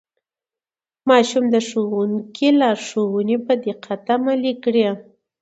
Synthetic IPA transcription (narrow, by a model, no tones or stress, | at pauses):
mɑʃumd̪əʂowuŋkʰilɑɾʂowunepəd̪iqʰat̪amalikɽe